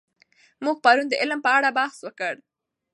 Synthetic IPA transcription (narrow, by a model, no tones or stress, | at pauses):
muɡ̚pɑɾund̪əʔɪlmpəaɽabɑhswəkəɽ